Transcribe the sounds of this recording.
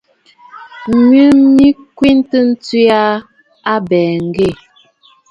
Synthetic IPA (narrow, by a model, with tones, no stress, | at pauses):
ɲɥə˦mi˦kwi˦ntə˦n̩˦t͡si˦a˦ | a˦bɛː˨ŋ̩˨ɡe˦˨